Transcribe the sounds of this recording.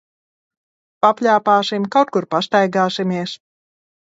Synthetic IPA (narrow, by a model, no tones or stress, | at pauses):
papʲlʲaːpaːsimkawt̪̚kuɾpast̪ajɡaːsimʲiɛs